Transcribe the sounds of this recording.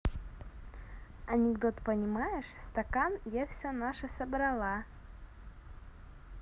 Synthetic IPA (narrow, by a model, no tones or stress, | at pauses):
ɐnʲɪɡd̪ot̪pənʲɪmajɪʂst̪ɐkanjafsʲonaʂəsɐbɾɐlˠa